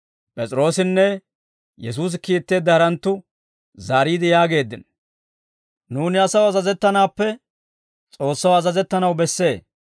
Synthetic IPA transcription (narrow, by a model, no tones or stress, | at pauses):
pʼɛt͡sʼɾo̞ːsɪnːɛ | jɛs̬uːs̬ɪkiːt̪ːe̞ːd̪ːɐɐɾɐnt̪ːʊ | zaːɾiːd̪ɪjaːɡe̞ːd̪ːɪn | nuːnɪɐsɐwɐzɐzɛt̪ːɐnaːpːɛ | t͡sʼo̞ːsːɐwɐzɐzɛt̪ːɐnɐwbɛsːe̞ː